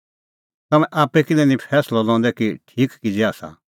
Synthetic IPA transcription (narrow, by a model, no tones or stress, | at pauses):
t̪ɐmɛ̃ʔaːpɛkɪlɛnĩpʰɛːslɔlɔ̃ːnd̪ɛkiʈʰiːkkid͡ʒɛaːsa̰